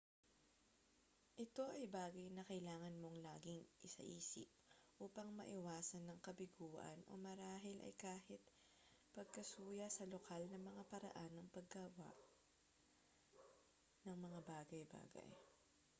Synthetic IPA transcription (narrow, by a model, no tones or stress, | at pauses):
ʔɪt̪o̞ʔɐjbaːɡɐjnɐkɐjlaːŋɐnmo̞ŋlaːɡɪŋʔɪsɐ̰ʔiːsɪ̰p̚ʔuːpɐŋmɐʔɪwaːsɐnːɐŋkɐbɪɡuːʔɐ̰nʔo̞̰mɐɾaːɦɪlʔɐ̰jkaːhɪt̪̚ | pɐɡ̚kɐsuːjɐsɐlokalnɐmɐŋapɐɾɐ̰ʔanːɐŋpɐɡːɐwa̰ʔ | nɐŋmɐŋabaːɡɐjba̰ːɡɐ̰j